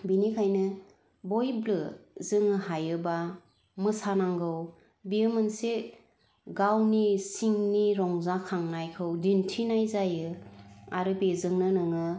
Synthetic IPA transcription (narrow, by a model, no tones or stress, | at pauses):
binikʰajnɯ | bojblɯzɯŋɯhajɯba | mɯsanaŋɡɯw | bijɯmɯnse | ɡawnisiŋniɾɔŋzakʰaŋnajkʰɯwdintʰinajzajɯa̰ɾɯpezɯŋnɯnɯŋɯ